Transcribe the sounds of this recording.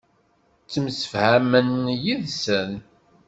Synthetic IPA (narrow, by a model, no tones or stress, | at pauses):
t͡sːəmsə̥fhæmənjiðsən